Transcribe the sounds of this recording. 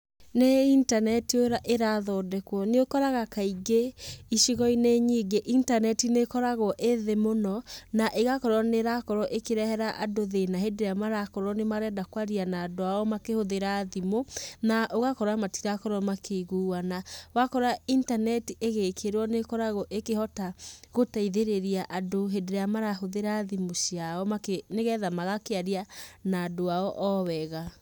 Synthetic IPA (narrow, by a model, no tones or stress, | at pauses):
neintanɛtioɾaʔeɾaðɔdɛkwɔneokɔɾaɣakaiɡeiʃiɣɔineɲiɡeʔintanɛtinekɔɾaɣɔʔeðemonɔnaʔeɣakɔɾɔneɾakɔɾɔʔekeɾɛhɛɾaʔadoðenaɦedeɾeamaɾakɔɾɔnemaɾɛdakwaɾianaːdoaɔmakehoðeɾaðimonaʔoɣakɔɾamatiɾakɔɾɔmakʰeɣuːwanawakɔɾaintanɛtiʔeɣekʰeɾwɔnekɔɾaɣɔʔekehɔtaɣotaiðeɾeɾiaʔadoɦedeɾeamaɾahoðeɾaðimosiaɔmakeneɣɛðamaɣakeaɾianaːdoaɔʔɔwɛɣa